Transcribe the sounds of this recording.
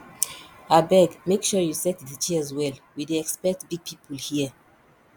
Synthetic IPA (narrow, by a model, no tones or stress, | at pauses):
abɛɡmekʃɔjusɛtðət͡ʃizwɛlwideɛkspɛk̚tbiɡ̚pʰipʰɔlhiə